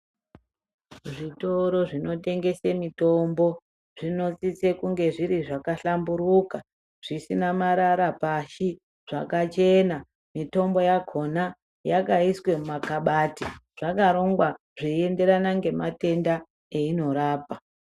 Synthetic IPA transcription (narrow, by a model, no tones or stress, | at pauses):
ʐito̞ɾo̞ʐino̞te̞ŋɡe̞semito̞mbo̞ | ʐ̥ino̞t͡sit͡sekuŋɡe̞ʐiɾiʐakaɬambuɾuka | ʐ̥isinamaɾaɾapaʃi | ʐ̥akat͡ʃe̞na | mito̞mbo̞jakʰo̞na | jakaiswe̞mumakaɓaːtiʐ̥akaɾo̞ŋɡwa | ʐie̞nde̞ɾanaŋɡe̞mate̞nda | eino̞ɾaːpa